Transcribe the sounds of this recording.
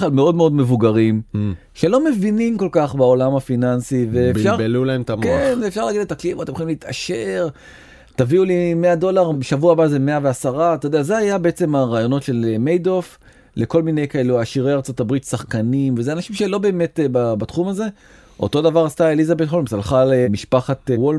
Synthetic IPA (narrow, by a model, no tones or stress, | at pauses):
χlalmeo̞d̪meo̞d̪me̞vuɡaʁim | ʃe̞lo̞me̞vinimko̞lkaχbaolamafinansiveːfʃaʁlulaemt̪amkenzeːfʃaʁlaːɡidletaklimoat̪emχoimlit̪aʃe̞ʁ | t̪aviulimeado̞laʁbeʃavuabazeme̞aveasaʁat̪od̪eazeajabe̞et͡se̞maʁaːjo̞no̞tʃe̞lmejd̪o̞f | le̞ko̞lmine̞jkae̞luaʃiʁe̞jaʁt͡so̞t̪abʁit̪saχkanimvezeanaʃimʃelo̞be̞ːme̞tbabat̪χumaze̞ | ʔo̞̰t̪o̞davaʁast̪aelizabet̪χolmsalχalemiʃpaχatwol